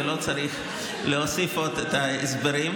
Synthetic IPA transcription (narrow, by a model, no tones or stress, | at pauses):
lo̞t͡saʁiχ | leosifot̪et̪aezbaɾim